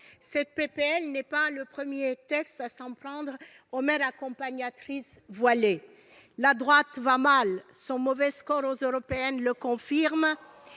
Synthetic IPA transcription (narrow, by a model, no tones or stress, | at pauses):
sɛt̪̚pepeɛlnɛpaləpχəmjet̪ɛkst̪asɑ̃pχɑ̃d̪ʁ | omɛʁakɔ̃paɲat̪χisvwale | lad̪ʁwat̪vamalsɔ̃mɔvɛskɔʁozøʁɔpeɛnləkɔ̃fiʁm